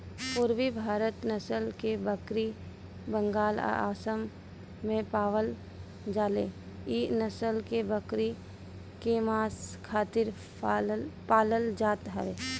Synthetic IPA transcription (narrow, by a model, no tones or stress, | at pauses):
pʊɾwibʱaːɾət̪nəsəlkebəkɾi | bə̃ŋɡaːl̰a̰ːsəmː | ẽpaːʋəl | d͡ʒaːlḛ | inəsəlkebəkɾi | kemaːskʰaːt̪ɪɾ | paːləld͡ʒaːt̪ɦəʋeː